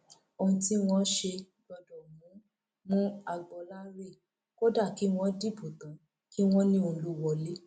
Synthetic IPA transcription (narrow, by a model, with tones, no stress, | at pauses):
o˧ũ˧ti˦w̃ɔ̃˦ʃe˧ | bɔ˧dɔ˨mũ˨˦ | mũ˦a˧ɡ͡bɔ˧la˦ɾe˦˨ | ko˦da˦˨ki˨˦w̃ɔ̃˦di˦˨bu˨t̪ã˨˦ | ki˦w̃ɔ̃˦nĩ˦o˧lu˦wɔ˧le˦